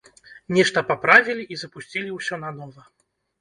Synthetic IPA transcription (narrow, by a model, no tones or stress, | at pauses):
nʲɛʂt̪ɐpapɾavʲilʲiʔizɐpusʲt͡sʲilʲiwsʲɔnɐnɔvɐ